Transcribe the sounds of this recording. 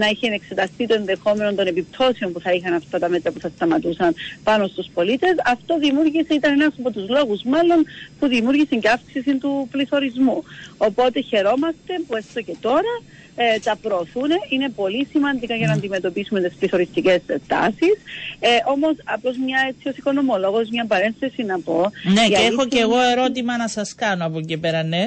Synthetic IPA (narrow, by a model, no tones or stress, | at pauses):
nɐiçenekse̞t̪ɐst̪it̪o̞e̞nðe̞xo̞me̞no̞nt̪o̞ne̞pip̚t̪ʰo̞seo̞mpuθɐixɐnɐft̪ɐt̪ɐmet̪ɾɐpuθɐst̪ɐmɐt̪usɐnpɐno̞st̪uspo̞lit̪e̞sɐft̪o̞ðimuɾʝiseit̪ɐnenɐsɐpo̞t̪uzlo̞ɣuzmɐlːo̞npuðimuɾʝisɐɲceɐfksisint̪upliθo̞ɾizmuo̞po̞t̪e̞çe̞ɾo̞mɐst̪e̞puest̪oce̞t̪o̞ɾɐ | t̪ɐpɾo̞ːθuneʔine̞po̞lisimɐnd̪ikɐʝɐnɐːnd̪ime̞t̪o̞pisume̞t̪espliθoɾist̪ice̞st̪ɐ̰sisʔo̞mo̞sɐplo̞zmɲɐe̞t͡sio̞siko̞no̞molo̞ɣo̞zmɲɐpɐɾe̞nθesinɐpo̞neʝɐexo̞ceɣo̞e̞ɾo̞t̪̬imɐnɐsɐskɐnoɐpocipeɾɐne